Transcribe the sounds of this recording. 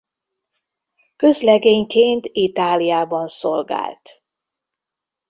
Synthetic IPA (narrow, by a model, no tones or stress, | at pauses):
kø̞zlɛɡeːɲkeːnt̪it̪aːlijaːbɒnsolɡa̰ːlt̪